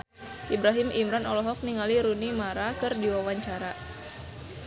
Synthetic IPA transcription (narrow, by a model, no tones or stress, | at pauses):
ʔibɾaɦimʔimɾanɔlɔɦɔk̚niŋaliɾunimaɾakɨrdiwawaɲt͡ʃaɾa